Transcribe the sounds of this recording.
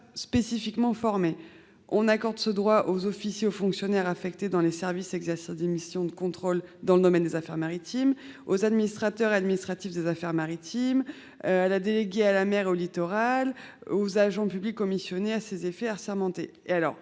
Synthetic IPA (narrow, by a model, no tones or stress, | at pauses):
spesifikmɑ̃fɔʁme | ɔ̃nakɔʁd̪səd̪ʁwaʔozɔfisjeofɔ̃ksjɔnɛʁafɛkt̪ed̪ɑ̃lesɛʁvisɛɡzɛʁsizd̪emisjɔ̃d̪əkɔ̃t̪χold̪ɑ̃ləd̪ɔmɛnd̪ezafɛʁmaʁit̪imozad̪minist̪χat̪œʁad̪minist̪χat̪ifd̪ezafɛʁmaʁit̪ʰim | øalad̪eleɡʲealamɛʁeolit̪ɔʁalozaʒɑ̃pyblikɔmisjɔneasezefɛaʁsɛʁmɑ̃t̪ḛealɔ̰ʁ